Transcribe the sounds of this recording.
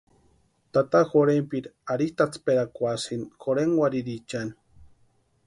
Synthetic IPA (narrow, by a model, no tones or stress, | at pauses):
t̪at̪axoɾempiɾaɾiht̪at͡speɾakʷasinxoɾeŋwʷaɾiɾit͡ʃan